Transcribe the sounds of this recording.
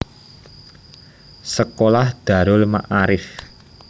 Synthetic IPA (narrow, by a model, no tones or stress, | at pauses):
səkolahd̪̥a̤ɾʊlma̰ʔaɾɪf